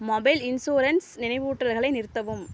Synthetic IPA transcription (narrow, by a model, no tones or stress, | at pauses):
mɔbɐɪlɪnsoːɾɐnsnɪnɐɪʋɯːʈːrɐlɣɐɭɐɪnɪɾɯt̪ːɐʋɯm